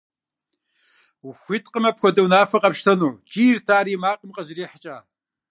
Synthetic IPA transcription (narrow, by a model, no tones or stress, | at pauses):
wxʷitʼqəmɐpxʷɔdɐwnaːfɐqʼɐpʃtʰɐnuːt͡ʃʼiːrtʰaːɾiːmaːqʼəmqʼɐzriːħət͡ʃʼaː